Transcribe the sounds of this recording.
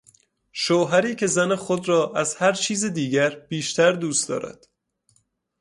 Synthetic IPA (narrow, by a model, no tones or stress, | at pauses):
ʃoːɦæɾiːcʰe̞zænexod̪ɾɒːʔæzhæɾt͡ʃʰiːzed̪iːɟæɾb̥iːʃt̪ʰæɾd̪uːst̪d̪ɒ̰ːɾʔæ̰d̪̥